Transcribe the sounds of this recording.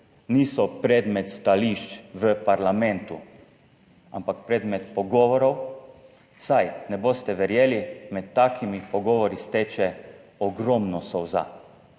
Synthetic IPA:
niːsɔpɾɛd̪mɛt̪st̪aliʃt͡ʃʋəpaɾlamɛnt̪u | a̰mpakpɾɛd̪mɛt̪pɔɡɔːʋɔɾɔw | sajnɛboːst̪ɛʋɛɾjeːlimɛt̪ːaːkʰimipɔɡɔːʋɔɾist̪eːt͡ʃɛɔɡɾɔmnɔsɔwza̰

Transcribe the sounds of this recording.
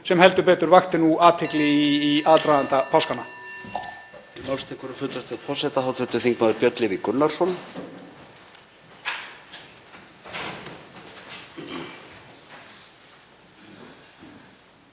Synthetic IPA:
sɛmhɛlt̪ʏɾpɛːt̪ʏɾvaxt̪ɪnuaːt̪ʰɪklɪːaːt̪ɾajðant̪apʰaskanːa | ɪmalst̪ʰɪkɔɾʏfʏt̪ɾast̪ɛt̪fɔrsɛt̪aɦaːwt̪ʰʏt̪ʏθiŋkmaðʏɾpjœt̪lɪɾikʏnːaɾ̥sɔn

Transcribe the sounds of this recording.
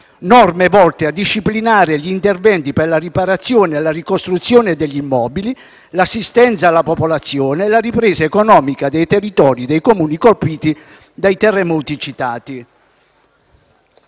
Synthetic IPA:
nɔrmevɔlt̪ead̪ːiʃːiplinaːɾeʎiːnt̪ervɛnt̪ipɛrlaripaɾat̪sːjɔːneelarikost̪ɾut̪sːjoːned̪ɛʎːimːɔːbili | lasːist̪ɛnt̪saːlːapopolat̪sːjɔːneːlaripɾɛːzaekonɔːmikad̪ɛjt̪erːit̪ɔːɾid̪ɛjkomuːnikolpiːt̪i | d̪ajt̪ɛrːemuwt̪it͡ʃit̪aːt̪i

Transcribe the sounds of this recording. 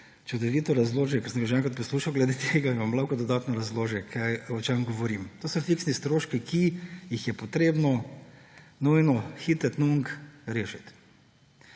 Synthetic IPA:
t͡ʃɛd̪ɔʋiːt̪ɔɾazloːʒjɛkɔsəmɡaʃ̬ɛŋkɾat̪pɔsluːʃawɡlɛd̪et̪ʰeːɡaimamlawkɔd̪ɔd̪aːt̪nɔɾazloːʒjɛkʰajɔt͡ʃaŋɡɔʋɔɾimt̪oːsɔfiksnist̪ɾoːʃkikʰijixjɛpɔt̪ɾeːbnɔ | nujnɔxit̪ət̪nuŋkɾeːʃit̪

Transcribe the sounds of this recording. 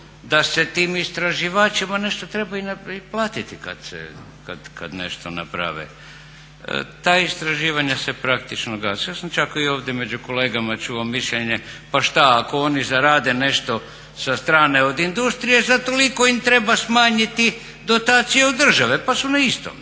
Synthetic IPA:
d̪ase̞t̪iːmist̪ɾaʒiʋaːt͡ʃimane̞ʃt̪ot̪ɾe̞bainaiplˠaːt̪it̪ika̰d̪̥sḛ | ka̰d̪ka̰d̪ne̞̰ʃt̪ona̰pɾa̰ʋḛ | t̪aːist̪ɾaʒiːʋaɲase̞pɾakt̪it͡ʃnoɡasajasamt͡ʃakioːʋd̪je̞me̞d͡ʑuko̞leːɡamat͡ʃuomiʃʎeɲe̞paʃt̪aakoonizaɾaːd̪e̞ne̞ʃt̪o̞ | sast̪ɾaːne̞od̪ind̪ust̪ɾije̞zat̪o̞liko̞imt̪ɾe̞basmaːɲit̪i | d̪o̞t̪aːt̪sijeod̪d̪ːr̩ʒaʋepasunaist̪o̰m

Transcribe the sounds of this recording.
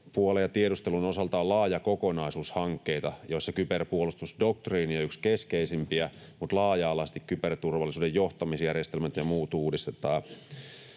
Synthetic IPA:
puolejɑt̪ieɾust̪elunosɑlt̪ɑolɑːjɑkokonɑisuːshɑŋkːeit̪ɑjoisːɑkyperpuolust̪usdok̚t̪riːniɑykskeskeisimpiæ | mut̪lɑːjɑːlɑst̪ikkypert̪urʋɑlːˑisuːdejjoht̪ɑmisjærjest̪elmæt̪jɑmuːt̪uːdist̪et̪ɑː

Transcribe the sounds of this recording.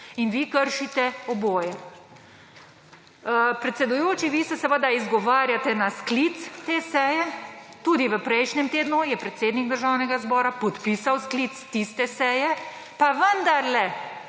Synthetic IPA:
inʋikəɾʃit̪ɛɔboːjɛ | pɾɛt̪sɛd̪ujoːt͡ʃiʋiːsɛsɛʋəd̪aizɡɔʋaːɾjat̪ɛnasklit̪st̪eːsɛjɛt̪uːd̪iʋəpɾɛjʃnɛmt̪eːd̪nujɛpɾɛt̪seːd̪niɡ̚d̪əɾʒawnɛɡazbɔːɾapɔt̪pisawsklit̪st̪ist̪ɛsɛjɛ | paʋənd̪aɾlɛ

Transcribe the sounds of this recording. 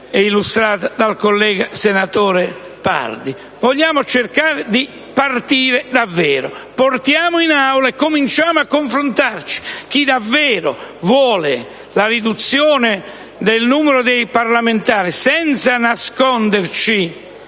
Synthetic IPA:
ɛilust̪ɾaːt̪ad̪alkolːɛːɡasenat̪oːɾe | pa̰ɾd̪i | voʎːaːmot͡ʃerkaːɾɪd̪i | part̪iːɾed̪avːɛːɾo̰port̪jaːmʊinawlaɛkːomint͡ʃaːmʊakːoɱfɾont̪art͡ʃi̥k̟id̪avːɛːɾovwɔːlɪ | laɾid̪ut̪sːjɔːnɪ | d̪elnuːmɛɾod̪ejpaɾlament̪aːɾisɛnt̪sanaskɔnd̪eɾt͡ʃi

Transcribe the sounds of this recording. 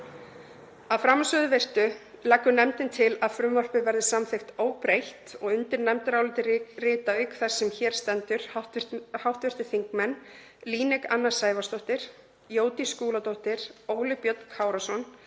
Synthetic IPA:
aðfɾamsʏðʏvɪr̥t̪ʏlakːʏnɛmt̪ɪnt̪ʰɪlaðfɾʏmvɔr̥pɪvɛɾðɪsamθɪxt̪oːwpɾejht̪ɔɣʏnt̪ɪɾnɛmt̪ɪɾaːwlɪt̪ɪrɪːt̪aʏkθɛsːɛmçɛːɾ̥st̪ɛnt̪ʏɾ̥haht̪hawht̪vɪr̥t̪ɪ̥θiŋkmɛnː | liːnɛka̰nːḁsaːjvast̪oht̪ɪɾ̥ | joːwt̪iskuːlat̪owht̪ɪɾ̥oːwlɪpjœt̪kʰaːwɾasɔn

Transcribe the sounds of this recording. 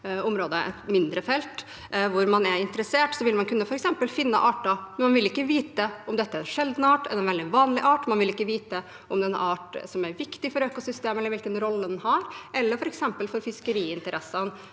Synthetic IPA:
ʊmɾoːd̪əɛ̰t̪mɪnd̪ɾəfɛlt̪ | ʋʊɾmɑnæɾɪnt̪əɾəseːʈsɔʋɪlmɑnkʰʉnːəfɔɾɛksɛmpəlfɪnːə̰ʔɑːʈɑmɛnmɑnʋɪlɪkːəʋiːt̪əɔmd̪ɛt̪ːəæɾɛnʂɛld̪nɑːʈɛləɛnʋɛld̪ɪʋɑːnlɪʔɑːʈmɑnʋɪlɪkːəʋiːt̪ə | ʔɔmɛnɑːʈsɔmæɾʋɪkt̪ɪfɔɾøːkʊsʏst̪eːmɛlːɾʋɪlkənɾɔlːəd̪ɛnhɑɾʔɛlːəɾfɔɾɛksɛmpəlfɔɾfɪskəɾiːɪnt̪əɾʔɛsːɑn

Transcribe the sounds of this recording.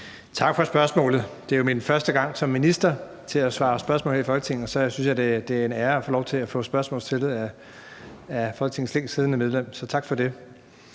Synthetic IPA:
t͡sʰɑ̈ɡ̥fɒ̽sb̥ɶɐsmɔ̰̽ːlð̩ˠd̥e̝jominfɶɐsd̥əɡ̥ɑ̈ŋ̰sɒ̽mːinisd̥ɐ | t͡sʰe̝læsʋɑ̈ːɒ̽sb̥ɶɐsmɔ̰lhḛɐifɒ̽lɡ̥ət͡sʰe̝ŋn̩ɒsɒ̽synsjɑ̈ɪd̥e̝d̥e̝æɐenæːɐæfɔ̰ːlɒʊt͡sʰe̝læfɔ̰̽ːsb̥ɶɐsmɔ̰̽ːlst͡sʰe̝lð̩ˠæ | æfɒ̽lɡ̥ət͡sʰe̝ŋn̩sleŋ̰sið̞ˠənəmeð̞ˠlem̰sɒ̽t͡sʰɑ̈ɡ̥fɒ̽de̝

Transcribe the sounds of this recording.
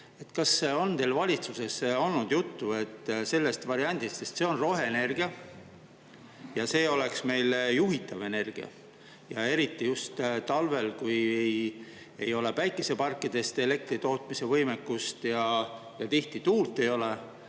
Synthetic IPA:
e̞t̪kɑso̞nt̪e̞lvɑlʲit̪suse̞so̞lnud̪̥jut̪ːue̞t̪ːse̞lːe̞st̪vɑɾiɑnʲd̪̥ist̪se̞st̪se̞o̞nro̞ɦe̞ːne̞rɡ̥iɑ | jɑse̞ːo̞le̞ksme̞jljuɦit̪ːˑɑve̞ne̞rɡ̥ḭɑ̰ | jɑe̞ɾit̪ːijust̪t̪ɑlve̞lkujej | e̞jo̞le̞pæjkːˑese̞pɑrkːˑid̪̥e̞st̪e̞le̞k̚t̪rit̪o̞ːt̪mise̞vɤjmekːˑust̪jɑ | jɑt̪iht̪it̪uːlt̪ːˑe̞jo̞le

